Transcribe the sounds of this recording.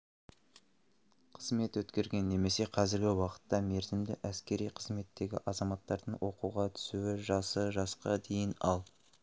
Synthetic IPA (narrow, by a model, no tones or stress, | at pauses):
qʰəzme̞t̪wɵt̪kʲe̞ɾɡʲe̞nːe̞me̞se̞qʰɑzɪɾɡʲɪwɑqə̥t̪ːɑme̞ɾzɪmd̪ɪ̰ʔæskʲe̞ɾijqʰəzme̞t̪ːe̞ɡʲɪ̰ʔɑzɑmɑt̪ːɑɾd̪əɴwʔo̞quʁɑt̪ʰʏ̥suɪʒɑsəʒɑsqɑd̪e̞jɪnɑ̰lˠ